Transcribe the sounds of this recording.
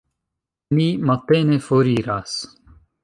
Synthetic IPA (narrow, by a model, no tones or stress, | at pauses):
nimɐt̪ːenefoɾiːɾaːs